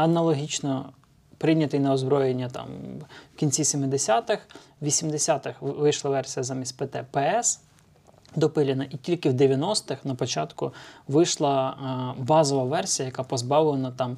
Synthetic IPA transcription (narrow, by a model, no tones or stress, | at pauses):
ɐnɐlˠɔɦʲit͡ʃnɔ | pɾɪnʲɐt̪ɪjnɐɔzbɾɔjenʲːɐt̪ɑ̰mwkʲinʲt͡sʲisʲimɪd̪esʲat̪ɪx | ʋʲisʲimd̪esʲat̪ɪxʋɪjʃlˠɐʋɛrsʲijɐzɑmʲisʲtʲpet̪ɛpɛɛs | d̪ɔpɪlʲɪnɐʔitʲilʲkɪwd̪eʋʲjɐnɔst̪ɪxnɐpɔt͡ʃɑt̪kʊʋɪjʃlˠɐbɑzɔʋɐʋɛrsʲijɐjɐkɑpɔzbɑʋlˠenɐt̪ɑm